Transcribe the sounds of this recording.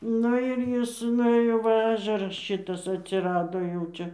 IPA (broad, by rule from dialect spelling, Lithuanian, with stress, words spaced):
ˈnʊ ɪr ˈjɪs nʊˈeːjoː ˈʋɐ ˈɑːʒʲɛrɐs ˈʃʲɪtɐs ɐtʲsʲɪˈrɑːdoː jɛʊ ˈt͡ʃʲɛ